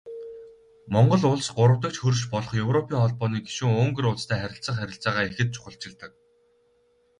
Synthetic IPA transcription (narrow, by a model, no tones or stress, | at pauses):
mɔɴɢɞ̆ɮʊɮsɢʊɾə̆wt̪ə̆k̚t͡ɕxɵrʃpɔɮɞ̆χjɵwrɔpʰʲiːŋχɔɮpɔːniːɡi̥ʃuːŋoːŋɡɵ̆ɾʊːɮt͡st̪ʰæːχæɾʲɪ̆ɬt͡sə̆χæɾʲɪ̆ɬt͡saːʁaːexɘ̆t̪̚t͡ɕʰʊ̥χə̆ɬt͡ɕɪ̆ɮt̪ə̆k̚